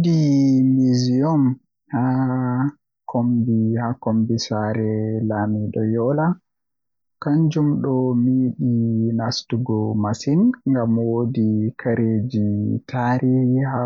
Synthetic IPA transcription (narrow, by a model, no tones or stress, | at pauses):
dimiziɔm | ha | kʰombihakɔmbisaɾɛlamiɗɔ̰jɔla | kaɲd͡ʒumɗɔmiːɗinastuɡɔmasinŋɡamwodikʰaɾeːd͡ʒitʰaɾiːhiha